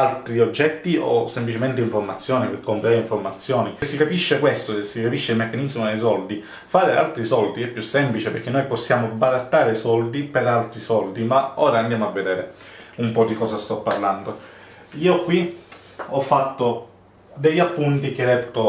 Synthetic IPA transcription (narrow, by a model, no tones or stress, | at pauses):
alt̪ɾiod͡ʒːɛt̪ːio̰sːemplit͡ʃement̪eiɱfoɾmat̪sːjɔːnipekːompɾiaɾeeiɱfoɾmat̪sːjɔːnisːikapiʃːekwest̪osːikapiʃːeilmekːanizmod̪ejs̬ɔld̪i | faːɾea̰lt̪ɾisɔld̪iɛpːjusːɛmplit͡ʃepeɾk̟enojposːjaːmobaɾat̪ːaːɾesɔld̪ipeɾalt̪ɾisɔld̪imaɔːɾaːnd̪jaːmoavːed̪eːɾeumpɔd̪ikɔːsast̪ɔpːarland̪o | iːokwi | ɔfːat̪ːo | d̪ejapːunt̪ik̟ed̪ɛt̪ːo